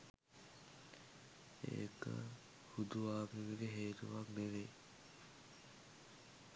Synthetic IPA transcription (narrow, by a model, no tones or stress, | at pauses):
ḛːkə̰ | hud̪uʋaːmiʋeɡeɦeːt̪uʋakbeʋe